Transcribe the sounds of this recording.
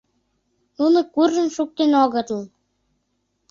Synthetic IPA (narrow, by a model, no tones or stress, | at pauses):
nunə̆kurʒə̆mʃuk̚t̪enoɣə̆t̪əl